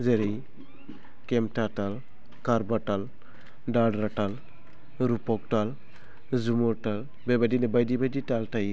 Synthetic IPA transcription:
zeɾej | kemtatal | kaɾbaʈal | ɖaɖɾaʈal | ɾupɔktal | zumuɾʈal | bebadinɛbajdibajditaltaj

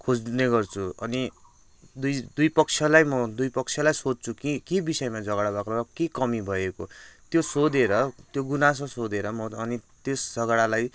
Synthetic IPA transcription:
kʰod͡zneɡʌrt͡sʰuʌni | d̪ujd̪ujpʌk̚t͡sʰjʌlajmʌd̪ujpʌkt͡sʰjʌlajsod̪̚t͡sʰukikebisʌjmad͡zʌɡɽabakroɾʌkekʌmibʱʌekot̪josod̪eɾʌt̪joɡunas̬ʌsod̪eɾʌmʌʌnit̪esd͡zʌɡɽalaj

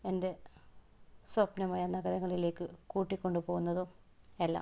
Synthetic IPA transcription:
e̞nde̞ | swɐpnɐmaːjɐnɐɡɐɾɐŋːɐɭile̞ːkːɨkuːʈːikʲːo̞ɳɖɨpoːɣunːɐðo | elːɐ̰

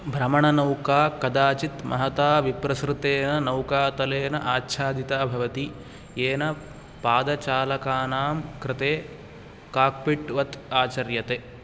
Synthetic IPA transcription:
bʱɾɐmɐɳɐnɐwkaːkɐd̪aːt͡ʃit̪mʔɐ̰ɦɐt̪aːʋipɾɐsɾɪt̪eːnɐnɐwkaːt̪ɐleːnɐʔaːtːʃʰaːd̪it̪aːbʱɐʋɐt̪i | eːnɐ | paːd̪ɐt͡ʃaːlɐkaːnaːmkɾɪt̪eː | kaːk̚piʈʋɐt̪aːt͡ʃɐɾjɐt̪e

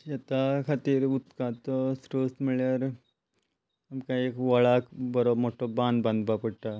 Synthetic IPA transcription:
jɐt̪akʰɐt̪iːɾut̪kat̪osɾoːst̪miɭaɾ | ɐmkaekʋɐɭaːkbɐɾomoʈːobaːnd̪bɐ̃nd̪bapɐʈʈːa

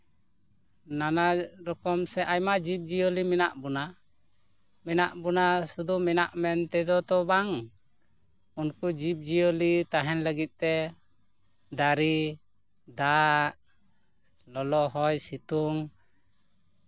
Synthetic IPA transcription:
nanaɾɔkɔmsɛʔajmad͡ʒip̚d͡ʒijolimɛnaʔbɔna | mɛnaʔbɔnasud̪umɛnaʔmɛnt̪ɛd̪ɔt̪ɔbaŋ | unkud͡ʒip̚d͡ʒijolit̪aɦɛnləɡit̪̚ˀt̪ɛ | d̪aɾi | d̪aʔ | lɔlɔʔɦɔjsit̪uŋ

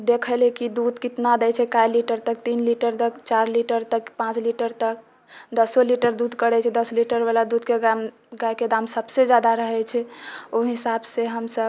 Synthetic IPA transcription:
d̪ekʰəlekid̪ud̪kit̪nad̪ɛt͡ʃʰɛkajliʈəɾt̪ək̚t̪inliʈəɾt̪əkt͡ʃaɾliʈəɾt̪əkpãt͡ʃliʈəɾt̪ək̚ | d̪əsoliʈəɾd̪ud̪ʱkəɽɛt͡ʃʰɛd̪əsliʈəɾbalad̪ud̪keɡam | ɡajked̪amsəbsed͡ʒjad̪aɾəɦɛt͡ʃʰɛoɦisabseɦəmsəb

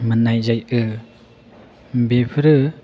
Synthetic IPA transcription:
mɯnajzajɯ | bepʰɯɾɯ

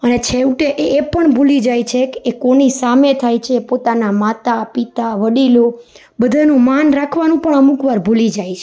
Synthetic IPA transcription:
ənet͡ʃʰewʈeʔeepəɳbʱulid͡ʒajt͡ʃʰekeekonisamet̪ʰajt͡ʃʰepot̪anamat̪apit̪aʋəɽilo | bəd̪ʱanũmanɾakʰʋanũpəɳəmukʋaɾbʱulid͡ʒajt͡ʃʰe

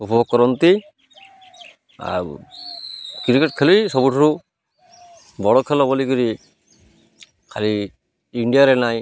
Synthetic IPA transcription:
upɔɔkːɔɾɔnt̪i | a̰ɾ | kɾikeʈ̚kʰelijsɔbuʈʰɔɾu | bɔɽɔkʰelɔbɔlikuɾi | kʰali | iɳɖijaɾenaj

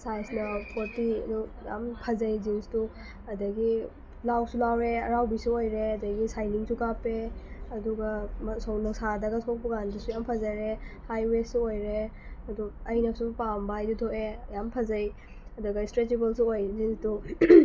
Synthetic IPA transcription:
sajsnɐpʰoɾtiɐ̰du | ja̰mpʰɐzɐjzinstu | ɐdɐɡi | lawsulawɾeɐɾawbisuojɾeɐdɐɡisajniŋsukapeɐduɡɐmɐsownɔsadɐɡɐsʰok̚puɡandɐsujampʰɐzɐɾehajwesuojɾeɐduɐjnɐsupambaajdutʰoʔejampʰɐzɐj | ɐduɡɐistɾet͡ʃibɐlsuojzinstu

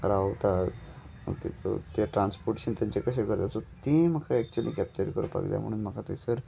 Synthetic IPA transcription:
ɾat̪a | mə̰kḛt̪o̰t̪eʈɾãnspoɾʈe̥ɕənt̪jãɲt͡ɕekəɕekəɾt̪asot̪ĩm̤əkʰaɛk̚t͡ɕuɛlikɛp̚t͡ɕəɾikəɾupa̰kd̪ja̰m̤əɽ̃uːnm̤əkʰat̪oisəɾ

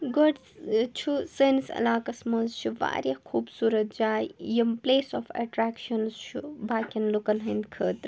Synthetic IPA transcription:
ɡoɖ | t͡ʃʰusensɐ̰laːkɐsmɐnzt͡ʃʰuʋa̰ːɾʲjɐkʰuːbsuːɾɐt̪̚d͡ʒaːjjɐmpleːsɔːfʰɐ̰ʈɾaːkʃɐnst͡ʃʰubaːkʲɐnlukɐnɦɐnd̪kʰəːt̪ɾ

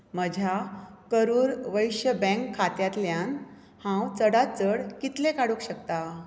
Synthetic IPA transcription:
məd͡ʑʱjakəɾuːɾʋəjɕəbɛ̃ŋkʰːat̪jat̪ljãn | hãwt͡səɽat͡səɽkit̪lekaɽukɕəkt̪a

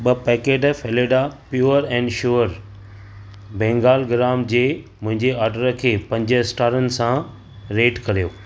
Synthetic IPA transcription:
ɓɐpɛːkeːʈfeleɖapjuːɾɛ̃ːɳɖʃuːəɾ | bẽːŋɡaːlɡɪɾaːmd͡ʑeːmʊ̃ɦɪ̃ɲd͡ʑeaːɾɖəɾəkʰeːpɐ̃ɲd͡ʑəɪsʈaːɾənɪ̆sã | ɾeːʈkɐɾijoː

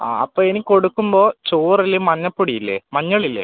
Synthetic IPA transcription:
a̰ːɐ̰pːoːeniko̞ɽukːumbo̞ːt͡ɕoːrɐlːemɐɲːɐpːuɽijilːḛmɐɲːɐɭilːḛ

